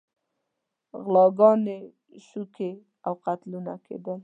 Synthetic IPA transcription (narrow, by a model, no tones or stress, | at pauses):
ɣlɑɡɑne | ʃuke | awqat̪luna̰kʰḛd̪əl